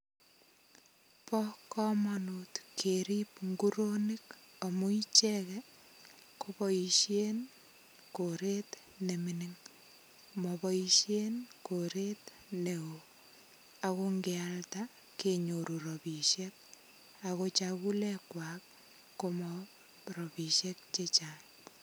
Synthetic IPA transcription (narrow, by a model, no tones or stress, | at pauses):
pɔkɔmɔnutkʰeɾip̚ŋɡuɾonikɔmuit͡ʃɛkɛ | kopɔiʃjen | koɾet | neminiŋ | mɔpɔiʃjenkoɾet | neo | akoŋɡealta | keɲoɾuɾɔpiʃek̚ | akot͡ʃakulɛkwak̚ː | omɔ | ɾɔpiʃek̚t͡ʃet͡ʃan